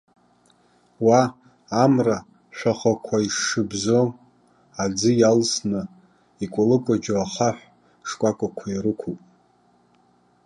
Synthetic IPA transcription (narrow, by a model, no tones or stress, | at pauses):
waː | mra | ʃʷᶣaχʷakʷʰaiʂɨbzo | ad͡zɨjalsnɨ | ikʷʼalɨkʷʼad͡ʒoaχaħᶣʷ | ʂkʷʼakʷʼakʷʰairɨkʷʰupʼ